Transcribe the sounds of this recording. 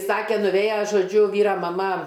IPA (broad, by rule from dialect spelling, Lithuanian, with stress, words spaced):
ˈsɑːkʲeː nʊˈʋʲeːjɛ ʒoːˈd͡ʒʲʊ ˈʋʲiːrɐ mɐˈmɐ